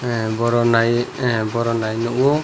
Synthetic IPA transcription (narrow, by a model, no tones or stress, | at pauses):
bɔɾɔnajbɔɾɔnajnɔʔuɔ